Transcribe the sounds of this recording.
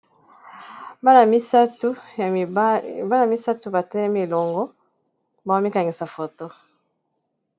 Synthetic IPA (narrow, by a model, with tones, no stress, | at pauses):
ba˦na˨mi˦sa˦tu˦˨˦ | ba˦na˨mi˦sa˦tu˦ba˨tɛ˦lɛ˦mi˦e˨lɔ˨ŋɡɔ˦ | ba˨wa˦mi˦ka˨ŋɡi˨sa˨fo˨to˦